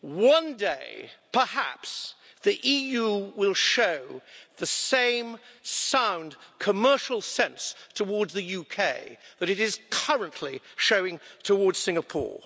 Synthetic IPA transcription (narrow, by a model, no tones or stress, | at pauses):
wʌ̃ndeɪpʰə˞hæ̰ps | ðiʔijʉwɪlˠʃoʊðɨsẽɪ̃msãʊ̃ndkʰəmɜ˞ʃl̩ˠsɛ̃nstʰəwɔɹdzðɨjʉkʰeɪðɨɾɨɾɪz̥kʰʌɹɨ̃nʔliʃoʊɪ̃ŋtʰəwɔɹdz̥sɪ̃ŋəpʰɔ̰ɹ